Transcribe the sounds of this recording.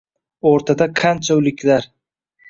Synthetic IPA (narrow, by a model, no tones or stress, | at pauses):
oɾt̪ʰad̪akʰant͡ʃʰaʊlɪkʲlaɾ